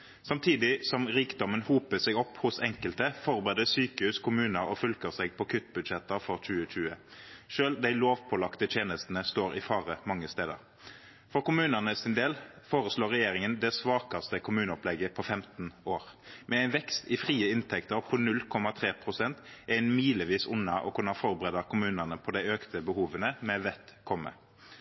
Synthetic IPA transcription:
sɑmt̪ʰiːd̪ɪsɔmʁiːkd̪ɔmənhuːpəsɛɡɔpːhʊsɛŋkəlt̪əfɔʁbeːd̪əsyːkəhʉːskʰʊmʉːnəɾɔfʉlkəʁsɛːɡ̚pʰɔkʰʏt̪ːbʉd̪ʃɛt̪əʁfɔʁt͡ʃʉːət͡ʃʉːəʃøːld̪æɪloːʋpʰɔlɑkt̪ət̪ʰjeːnəst̪n̩əst̪oːʁɪfɑːʁəmɑŋːəst̪eːd̪ə̰ʁ | fɔʁkʊmʉːnənəsɪnd̪eːl | foːʁəsloːʁɛjeːʁɪŋənd̪ɛsʋɑːkɑst̪əkʰʊmʉːnəɔplɛɡəpʰɔfɛmt̪n̩oːʁmɛæɪnʋɛkst̪ɪfʁiːəɪnt̪ʰɛkt̪əʁpʰɔnʉlkʰɔmɑt̪ʰʁeːpʰʁʊsɛnt̪ʔæɪnmiːləʋiːsʊnːɑʔɔ̰kʰʊnɑfɔʁbəʁeːd̪ɑkʰʊmʉːnənəpʰɔd̪æɪøːkt̪əbəhuːʋənəmɛʋɛt̪kʰɔmːə̰

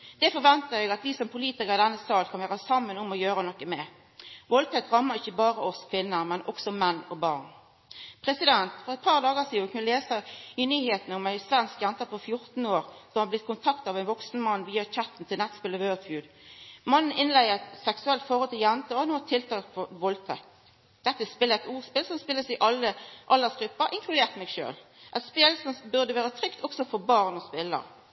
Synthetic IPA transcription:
d̪̥ɛfɔɾʋɛnt̪əɛːɡɑt̪ʋisɔmpʰʊliːt̪ɪkəʁɪd̪ɛnːəsɑːlkʰɑnʋæːɾəsɑmːənʊmɔjøːɾənɔkːəmɛ | ʋoːlt̪ʰɛt̪ʁɑmːəʁɪçːəbɑːɾəɔskʰʋɪnːəmɛnʔɔ̰ksɔmɛnːɔbɑːʁn | pʰʁɾɛsɪd̪ɛnt̪fɔʁɛt̪̚pʰɑʁd̪ɑːɡəsiːnkʰɑnʋɪleːsɑɪnyːheːt̪n̩ɔmæɪsʋɛnskjɛnt̪əfɔfjʊɾt̪n̩oːɾsɔmhɑblɪt̪̚ːkʊnt̪ʰɑkt̪ɑʋæɪnʋɔksn̩mɑnːʋiːɑt͡ʃɑt̪ːn̩t̪ʰɪlnɛt̪ːspɪləʋøːt̪fjʉːd̪ | mɑnn̩ɪnlæɪəʁɛt̪sɛksʉɛlt̪fɔʁhɔlt̪ʰɪljænt̪əɔɑnuːɛt̪ʰːɪlt̪ʰɑːkfɔʋɔlt̪ʰɛk̚t̪ | d̪̥ɛt̪ːəspɪləɛt̪uːʁspɪlsɔmspɪlːəsɪʔɑlːəʔɑlːəsɡɾʉpːəɾʔɪŋkʰlʉd̪eːʁt̪mɛɡʃø̰ːlʔɛɪt̪spɪlsɔmbʉɾd̪əʋæːɾət̪ʰɾʏkt̪ɔksɔfɔbɑʁnɔspɪlːə̰ʁ

